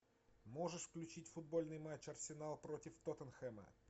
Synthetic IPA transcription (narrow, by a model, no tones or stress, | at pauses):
mo̞ʐɨʂfklʲʉt͡ɕitʲfʊd̪̚bo̞lʲnɨjmat͡ɕːɐrsʲɪnalˠpɾotʲɪft̪ot̪ənxɛmə̰